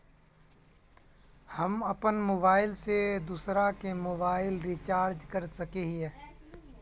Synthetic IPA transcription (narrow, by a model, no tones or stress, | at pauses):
hɐmɐpənmoːbaːɪlsed̪uːsɾakemoːbaːɪlɾiːt͡ʃaːɾd͡ʒkɐɾsɐkeɦiɦɛ̃ː